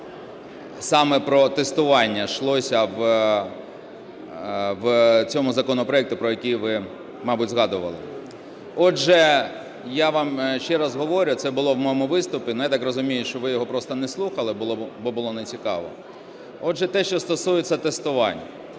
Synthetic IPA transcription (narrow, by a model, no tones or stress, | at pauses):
sɑmɛpɾɔt̪est̪ʊʋɑnʲːɐʃlˠɔsʲɐʋ | ʋt͡sʲɔmʊzɐkɔnɔpɾɔɛkt̪ʊpɾɔjɐkʲijʋɪ | mɑbudʲzɦɑd̪ʊʋɐ̰lˠɪ̰ | ɔʒɛ | jaʋɑmʃt͡ʃɛɾɐzɦɔʋɔɾʲʊt̪sɛbʊlˠɔwmɔjɔmʊʋɪst̪ʊpʲinʊjat̪ɑkrɔzʊmʲijʊʃt͡ʃɔʋɪjɔɦɔpɾɔst̪ɐnɛslˠuxɐlˠɪbʊlˠɔbɔbʊlˠɔnet͡sʲikɑ̰ʋɔ̰ | ɔʒɛt̪ɛʃt͡ʃɔst̪ɔsujet͡sʲːɐt̪est̪ʊʋɑ̰nʲːɐ